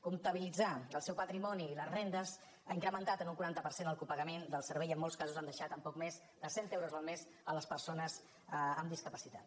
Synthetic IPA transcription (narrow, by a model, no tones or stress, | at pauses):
kumt̪əβilid͡zaəlˠsɛwpət̪ɾimɔniːləzrend̪əz | aiŋkɾəmənt̪at̪ənuŋkuɾant̪əpəɾsenəlˠkupəɣəmend̪əlˠsəɾβɛjəmːolˠskazuzand̪əʃat̪əmpɔkmez | d̪əsent̪ɛwɾuzəlˠmez | ələspəɾsonəz | əmd̪iskəpəsit̪a̰t̪